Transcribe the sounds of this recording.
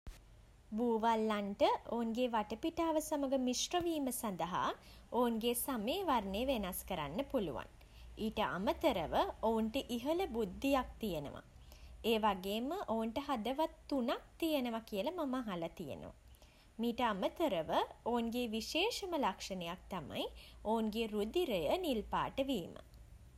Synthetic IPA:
buːʋalːanʈəʔounɡeːʋaʈəpiʈaːʋəsaməɡəmisroʋiːməsand̪əɦa̰ | ounɡesameːʋarneʋenaskəɾa̰nːəpulṵʋa̰n | iːʈəʔa̰mət̪əɾəʋəouɳʈəʔiɦələbud̪ːijak̚t̪ijənə̰ʋa̰ | eːʋaɡeːməʔounʈəɦad̪əʋat̪ːunak̚t̪ijenəʋakiəlɐmɐmaɦalɐt̪ijə̰nə̰ʋa̰ | miːʈəamət̪əɾəʋəounɡeːʋiʃeːʃəməlakʂənejak̚t̪ama̰jounɡeɾud̪iɾəjənilpa̰ːʈəʋiːmə̰

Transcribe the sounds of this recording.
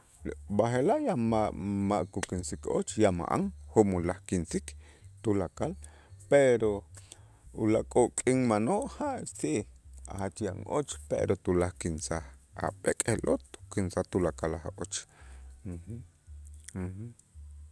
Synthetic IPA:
baɦelaʔjamamaʔkukinsiko̰t͡ʃjama̰ʔa̰ŋhomulahkinsikt̪ulakal | peɾo | ulakʼoʔkʼiŋmanoʔhaʔt͡siʔa̰hat͡ʃja̰ʔŋʔot͡ʃpḛɾot̪ulahkinsaha̰ɓekʼehlʔo̰t̪u̥kinsaht̪ulakalahʔot͡ʃ̩ | h | h̩

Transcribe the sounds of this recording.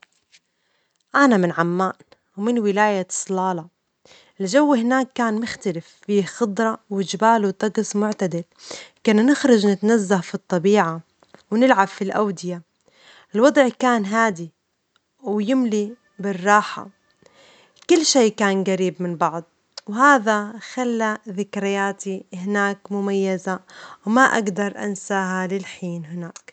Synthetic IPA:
ʔanamɪnʕamːaːn | wmɪnwɪlaːjḁsˤlɑːlɑ | ɪld͡ʒawːhɪnaːkːaːnmʊxt̪alɪfːiːxɑd̪ˤɾˤɑwɪd͡ʒɪbaːlwt̪ˤːɑɡsmʊʕt̪ad̪ɪlkɪnanɪxɾˤɑd͡ʒnɪt̪anazːahfit̪ˤːɑbiːʕa | wnɪlʕabfilʔa̰wd̪ɪja | ʔɪlwɑd̪ˤʕkaːnɦaːd̪i | wjɪmli | bɪrˤːɑːħa̰ | kʊlːʃeːkaːnɡaɾiːbmɪnbɑʕd̪ˤ | whaːðaxalːaðɪkɾɪjaːt̪ihɪnaːkmʊmajːazawmaʔa̰ɡd̪ɑɾˤʔa̰nsaːɦalɪlħiːnɦɪnaːk

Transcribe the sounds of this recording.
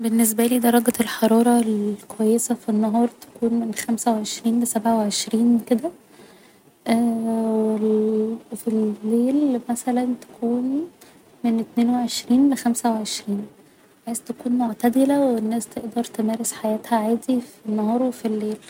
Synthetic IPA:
benːes̬bæliːd̪ɑɾˤːɑɡælħɑɾˤɑːɾˤɑlkowæjːesæfinːɑɦɑːɾˤt̪æ̥kuːnmenxæmsæweʕeʃɾiːnlesæbʕaweʕeʃɾiːnked̪æ | ʔæwelfilːeːlmæsælænt̪æ̥kʰuːn | menʔet̪neːnweʕeʃɾiːnlexæmsæweʕeʃɾiːn | ħejst̪ækuːnmoʕt̪æd̪elæwenːæːst̪eʔd̪ɑɾˤt̪emæːɾesħajæːt̪hæʕaːd̪ifinːɑɦɑːɾˤwefilːeːl

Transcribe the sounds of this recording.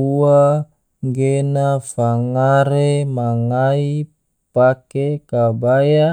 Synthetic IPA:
ua | ŋɡenafaŋaɾemaŋai | pakekabaja

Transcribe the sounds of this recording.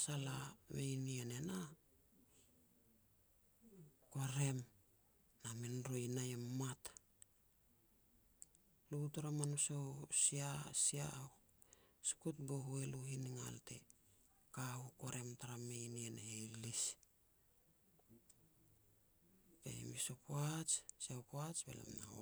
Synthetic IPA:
salame̞jniene̞na | ko̞ɾe̞m | naminɾojinajemːat | lutaɾamanusowsiasia̰ | si̥kutboɦueluɦiniŋa̰lte̞̰ | kahuko̞ɾe̞mtaɾame̞jnienehelis | pḛḭmisopoat͡ʃsiawkoat͡ʃbḛla̰mnao

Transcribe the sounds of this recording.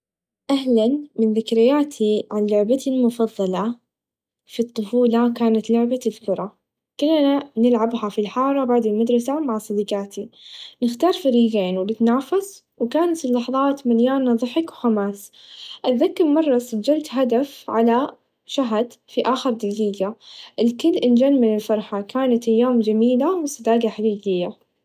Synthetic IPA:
ʔaɦlanmɪnðɪkɾɪjːaːt̪ʰiʕanlʊʕbat̪ilmʊfɑðˤːɑlɑ | fit̪ˤːʊfuːlɑkaːnat̪lʊʕbaðkʊɾˤɑ | kʊlːananɪlʕabhafilħɑːɾˤɑbaʕd̪ɪlmad̪ɾˤɑsamaʕsˤɑd̪iqaːt̪inɪxt̪ɑːɾˤfaɾiːɡeːnwɪlɪt̪naːfas | wɪkaːnat̪lːɑħðˤɑːt̪maljaːnːɑðˤɨħɪkwxamaːsʔaðːakːɪɾmɑrˤːɑsad͡ʒːalt̪ɦad̪afʕala | ʃaɦd̪fiʔaːxɪɾˤd̪ɪɡiːɡaʔɪlkɪlːʔɪnd͡ʒaːnmɪnɪlfɑɾˤħakʰaːnat̪ʔajːaːmd͡ʒamiːlawɪsˤɨd̪aːɡaħaɡiːɡɪjːa

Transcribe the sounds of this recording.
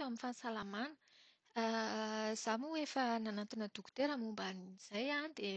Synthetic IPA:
eaminfasalamanə | z̥amuefənanat̪inəd̪uku̥t̪eɾamumbaniiz̥ajanid̪e

